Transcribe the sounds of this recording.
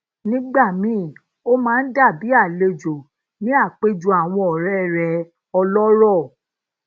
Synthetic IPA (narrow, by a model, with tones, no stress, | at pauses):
nĩ˦ɡ͡ba˦˨mĩː˨˦˨ | o˦mãː˦˧n̩˦da˦˨bi˨˦a˦˨le˧d͡ʒo˨ | nĩ˨˦a˦˨k͡pe˦d͡ʒu˧a˨w̃ɔ̃˧ɔ˨ɾɛ˦˨ɾɛ˨˧˨ | ɔ˧lɔ˦ɾɔ˦˨